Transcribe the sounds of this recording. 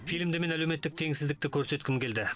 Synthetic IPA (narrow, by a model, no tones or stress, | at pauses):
filmd̪ɪme̞nælewme̞t̪ːɪk̚t̪ʰe̞ŋsɪzd̪ɪk̚t̪ɪkʲʰɵɾse̞t̪kʲɪmkʲʰe̞ld̪ɪ